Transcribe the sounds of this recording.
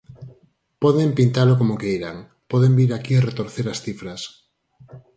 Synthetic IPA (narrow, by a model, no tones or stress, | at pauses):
pɔðempint̪alokomokejɾaŋ | pɔðembiɾakieret̪oɾθeɾasθifɾas